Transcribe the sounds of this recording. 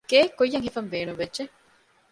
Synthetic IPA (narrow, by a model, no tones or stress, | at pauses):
ɡeːkːojːɐŋhifɐmbeːnuʋʋedd͡ʒe